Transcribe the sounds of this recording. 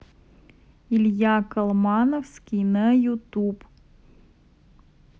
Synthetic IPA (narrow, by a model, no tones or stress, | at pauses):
ilʲjakɐlˠmɑnofskʲinəjut̪up